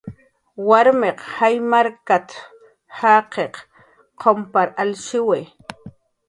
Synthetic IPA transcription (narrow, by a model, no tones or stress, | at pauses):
waɾmeqhajmaɾkat̪ | haːqeq | qʰompaɾalʃɪwe